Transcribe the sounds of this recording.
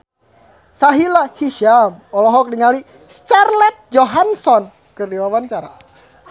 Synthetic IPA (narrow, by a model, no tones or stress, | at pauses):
saɦilahiʃamɔlɔɦɔk̚diŋali | st͡ʃarlɛt̪̚d͡ʒɔɦansɔn | kɨrdiwawaɲt͡ʃaɾa̰